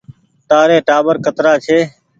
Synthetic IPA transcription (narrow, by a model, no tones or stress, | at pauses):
ʈaːɾeːʈaːbəɾkət̪ɾaːt͡ʃʰeː